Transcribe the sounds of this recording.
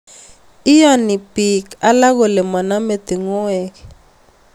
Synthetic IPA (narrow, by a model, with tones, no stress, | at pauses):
i˦ja˦ni˨bi˨ka˦la˦k̬ɔ˨lɛ˨ma˨na˦me˦˨d̪̥i˨ŋɔ˦ɛː˨k̬ɛ